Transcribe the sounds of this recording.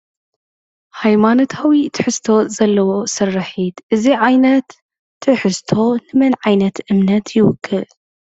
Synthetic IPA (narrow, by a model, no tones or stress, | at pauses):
hajmaːnɐt̪hɐwit̪ħɨst̪ʰozɐlːɐwosɨrˤːɐħiːt̪ʔɨziʕajnɐt̪ː | ɨħɨst̪ʰolɨmɨnʕajnɐt̪ʔɨmnɐt̪ʰjɪwkʰːɨl